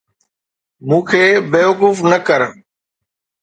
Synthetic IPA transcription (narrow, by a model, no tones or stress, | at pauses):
mũːkʰeːbeːʋəkuːfnəkəɾ